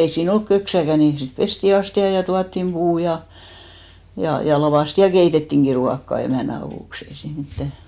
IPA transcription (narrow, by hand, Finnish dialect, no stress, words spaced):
ei siːn olk køksækæ ni sit pesti ɑstiɑ jɑ tuɑtːim b̥uː jɑ jɑ jɑ lɑʋɑˑsti jɑ keitetːiŋki ruɑkːɑ emæˑnæ ɑʋuˑks ei siːn mitːæ